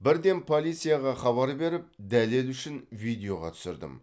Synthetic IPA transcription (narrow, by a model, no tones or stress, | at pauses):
bɪɾd̪e̞mpʰo̞lˠijt̪sɨjaʁɑχɑβɑɾbe̞ɾɪp̚d̪æle̞lʏʃɪnvijd̪ʲejo̞ʁɑ̰t̪ʰʏ̥sɪɾd̪ɪ̰m